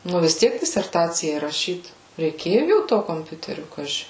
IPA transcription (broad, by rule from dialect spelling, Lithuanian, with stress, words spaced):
nʊ ʋʲɪs ˈtʲiɛk dʲɪsʲɛrˈtɑːt͡sʲɪjɛɪ rɐˈʃʲiːt rʲɛɪˈkʲeːjʊ jɛʊ ˈtoː koːmʲˈpʲʊtʲɛrʲʊ ˈkɑːʒʲɪ